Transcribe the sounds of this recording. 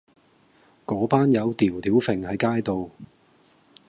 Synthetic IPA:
kɔː˨˥paː˥njɐ˨˧wt̪iː˨˩wt̪iː˨˥wfɪ˨˩ŋhɐ˨˧jkaː˥jt̪o˨w

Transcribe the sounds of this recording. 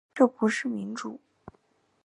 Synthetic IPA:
ʈ͡ʂɤ˥˩pu˧˥ʂɻ̩˥˩mi˧˥nʈ͡ʂu˨˩˦

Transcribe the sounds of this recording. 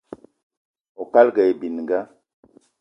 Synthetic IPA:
o˨ka˦lɡɛ˨jbi˨n˨ŋɡa˦

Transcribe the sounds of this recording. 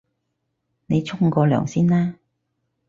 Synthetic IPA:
ne˨˧jt͡ʃʰʊ˥ŋkɔː˨˧lœ̰ː˨˩ŋsiː˥nlaː˥

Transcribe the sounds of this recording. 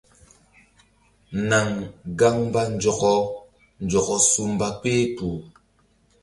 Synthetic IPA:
na˨ŋɡa˦ŋba˦n̩˨˦d͡ʒɔ˨kɔ˦ | n̩˨d͡ʒɔ˨kɔ˦su˦m˦ba˦k͡peː˦puː˨

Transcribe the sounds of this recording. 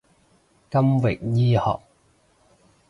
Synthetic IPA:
kɐ˥mwɪ˨k̚jiː˥hɔ̰ː˨k̚

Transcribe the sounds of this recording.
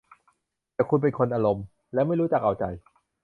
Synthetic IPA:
t̪ɛː˨˩kʰu˧npe˧nkʰo˧nʔaː˧ɾo˧m | lɛː˦˥wma˥˩jɾuː˦˥t͡ɕaː˨˩k̚ʔa˨˩wt͡ɕa̰˧j

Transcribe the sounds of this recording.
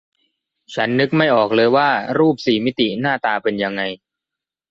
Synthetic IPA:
t͡ɕʰa˦˥nːɯ˦˥k̚ma˥˩jʔɔː˨˩k̚lɤː˧jwaː˥˩ɾuː˥˩p̚siː˨˩mi˦˥t̪i˨˩naː˥˩t̪aː˧pe˧nja˧ŋːa˧j

